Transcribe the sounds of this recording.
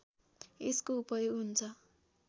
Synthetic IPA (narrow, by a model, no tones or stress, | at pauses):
eskoupʌjoɦunt͡sʰʌ